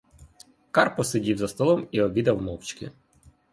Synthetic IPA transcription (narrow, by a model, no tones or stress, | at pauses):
kɑrpɔsedʲiwzɐst̪ɔlˠɔmiɔbʲid̪ɐwmɔwt͡ʃkɪ̰